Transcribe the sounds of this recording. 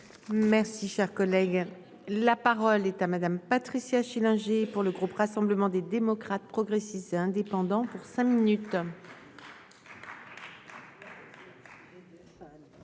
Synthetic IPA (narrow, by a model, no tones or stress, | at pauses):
mɛʁsiʃɛʁkɔlɛɡ | lapaʁɔlɛt̪amad̪ampat̪χisjaʃilɛ̃ʒepuʁləɡʁupʁasɑ̃bləmɑ̃d̪ed̪emɔkχat̪̚pχɔɡʁesist̪eɛ̃d̪epɑ̃d̪ɑ̃puʁsɛ̃minyt̪